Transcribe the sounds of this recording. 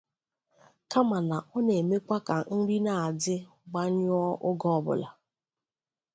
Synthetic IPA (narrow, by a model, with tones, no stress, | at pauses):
ka˦ma˨na˨ʔɔ˦ne˨me˦kʷa˦ka˨n̩˦ɾi˦na˨a˨dɪ˦ | ɡ͡ba˦ɲ˦ɔ˦ʔʊ˦ɡɔ˦ɔ˦bʊ̰˨la˨